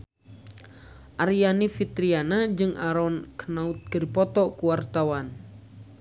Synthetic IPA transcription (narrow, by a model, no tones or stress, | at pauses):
ʔaɾijanifit̪ɾianad͡ʒɨŋʔaɾɔnkənaut̪̚kəɾipɔt̪ɔkuwart̪awan